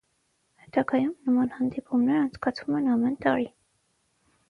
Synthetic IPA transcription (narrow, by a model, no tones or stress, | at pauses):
hɛt̪ɑɡɑjumnəmɑnhɑnd̪ipumnɛɾɑnt͡sʰkɑt͡sʰvumɛnɑmɛnt̪ɑɾi